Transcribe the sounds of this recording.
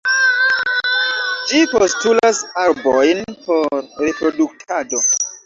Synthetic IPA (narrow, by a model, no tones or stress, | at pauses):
d͡ʒipostulasaɾbojnpoɾɾepɾo̞duk̚tʰado̞